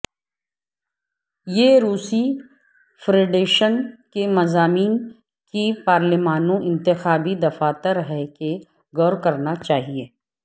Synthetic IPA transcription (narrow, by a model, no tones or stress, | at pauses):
jeːɾuːsi | fʰɾeːɖeːʃənkemɐzaːmiːn | kipaːɾlɪmaːnõʔɪ̃nt̪ɪxaːbid̪ɐfaːt̪əɾɦɛke | ɡɔːɾkɐɾnat͡ʃaːɦieː